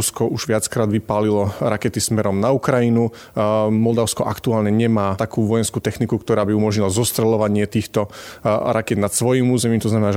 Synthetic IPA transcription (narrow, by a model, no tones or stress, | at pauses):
skɔʔuʒ̥ʋɪat͡skɾaːd̪ʋipaːlilɔɾakɛt̪ismɛɾɔmnaukɾajinu | mɔld̪aʊskɔʔa̰kt̪uaːlɲɛɲɛmaːt̪akuːʋɔjɛnskuːt̪ɛxnikukt̪ɔɾaːbiumɔʒɲilazɔst̪ɾɛlɔʋaɲɪɛt̪iːxt̪ɔɾakɛd̪nat̪sʋɔjiːmuːzɛmiːmt̪ɔznamɛnaː